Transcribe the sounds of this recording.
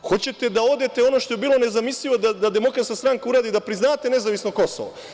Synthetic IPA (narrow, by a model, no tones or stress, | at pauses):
xo̞t͡ɕe̞t̪e̞d̪ao̞d̪et̪e̞o̞no̞ʃt̪o̞jebiːlo̞ne̞zamisʎiʋo̞d̪ad̪ad̪e̞mo̞kɾat̪kast̪ɾaŋkauɾaːd̪id̪apɾiznaːt̪e̞ne̞zaʋisno̞ko̞so̰ʋo̰